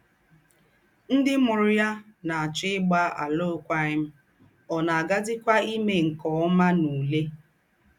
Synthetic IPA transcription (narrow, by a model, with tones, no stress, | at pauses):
n̩˦dɪ˦mʊ˨ɾʊ˦ja˦na˨a˨t͡ʃɪ˦ɪ˦ɡ͡ba˦a̰˨lo˦kʷa˦ɪ˦m̩˦ | ɔ˨na˨a˨ɡa˦dɪ˦kʷa˦i˦me˨ŋ̩˨kɔ˨˦ma˦nu˨le˦